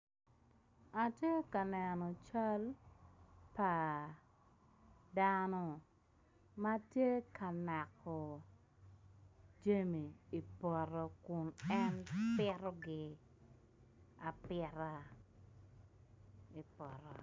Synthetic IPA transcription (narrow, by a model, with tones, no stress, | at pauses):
a˨tje˦ka˨nɛ˨nɔ˨t͡ʃa˦l | pa˨ | danɔ˦ | ma˦tje˦ka˨na˨kːɔ˨ | d͡ʒe˦mi˨i˨pɔ˨ɾɔ˨kʊ˨nɛ˦npɪ˦ɾɔ˦ɡɪ˦ | a˨pɪ˦˧ɾa˦ | i˨pɔ˨ɾɔ̰˨